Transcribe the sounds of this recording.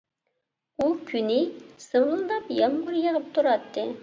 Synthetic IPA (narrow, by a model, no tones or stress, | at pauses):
ukʲʰynɪsɨməlˠd̪ɑpjɑmʁʊɾjəʁəp̚t̪ʰuɾɑt̪ʰːɨ